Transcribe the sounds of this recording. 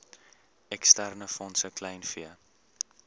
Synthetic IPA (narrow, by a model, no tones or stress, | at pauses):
ɛkstærnəfɔnsəklɛjnfiə